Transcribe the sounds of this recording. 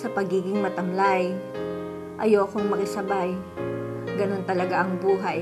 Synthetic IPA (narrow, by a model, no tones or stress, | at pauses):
sɐpɐɡiːɡɪŋmɐt̪ɐmlaj | ʔɐjoːkoŋmɐkɪsɐbaj | ɡɐno̞nt̪ɐlɐɡaʔɐŋbuːɦɐj